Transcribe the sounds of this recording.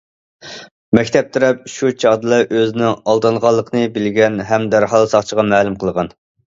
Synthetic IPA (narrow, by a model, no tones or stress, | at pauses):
mɛkʲt̪ʰɛp̚t̪ʰyɾɛp̚ʃut͡ʃʰɑd̪ɨlˠɑʔøzɪnɪŋɑlˠd̪ɨnʁɑlˠːəqʰənɨbɪlɡʲɛnɦɛmd̪æɾɦɑlˠsɑχt͡ʃʰəʁɑmæːlˠumqəlˠəʁɑn